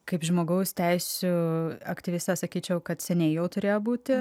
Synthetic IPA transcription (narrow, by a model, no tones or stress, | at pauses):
kɐɪpʒmoːɡɐʊst̪ʲɛɪsʲuɐ̰kt̪ʲɪʋʲɪsʲt̪ʲɛsɐkʲiːt͡ʃʲɛʊkɐt̪sʲɛnʲɛɪjɛʊt̪ʊɾʲeːjoːbuːt̪ʲɪ